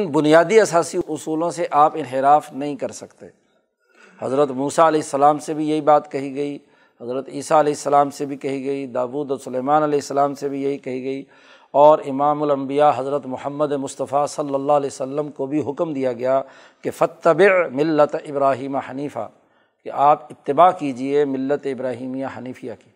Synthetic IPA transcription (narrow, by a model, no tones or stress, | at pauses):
nbʊnijaːd̪iɐsaːsiʊsuːlõseʔaːpɪnɦɪɾaːfnɐɦĩkɐɾsɐkt̪ḛ | hɐ̰zɾət̪muːsaɐlɛːsːɐlaːmsebʱijɐɦibaːt̪kɐɦiɡɐi | ɦɐzɾət̪iːsaɐlɛːɪsːəlaːmsebʱikɐɦiɡɐid̪aːʋuːd̪ɔːɾsʊleːmaːnɐlɛːɪsːəlaːmsebʱijɐɦikɐɦiɡɐi | ɔːɾɪmaːmʊlɐ̃mbijaɦɐzɾət̪mʊhəmːəd̪emʊst̪ɐfasɐlːəlːaɐleːsɐlːəmkobʱiɦʊkmd̪ijaɡɐja | kefɐt̪ːɐbɪʕmɪlːət̪ɪbɾaːɦiːmahɐniːfa̰ | keʔaːpɪt̪ːɪbaːkiːd͡ʒiemɪlːət̪eɪbɾaːɦiːmijaɦɐniːfʰijaki̥ː